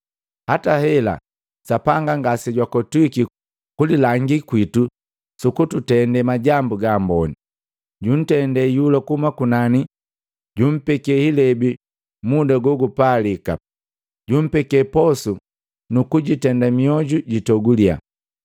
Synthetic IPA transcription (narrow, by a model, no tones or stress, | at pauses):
hatahɛla̰ | sapaŋɡaŋɡasɛɟwakɔtuiki | kulilaŋɡikwitu | sukututɛndɛmaɟambuɡaːmbɔni | ɟun̩tɛndɛjulakuhumakunani | ɟum̩pɛkɛhilɛbi | mudaɡɔɡupalika̰ | ɟum̩pɛkɛpɔsu | nukuɟitɛndamiɔɟuɟitɔɡulia̰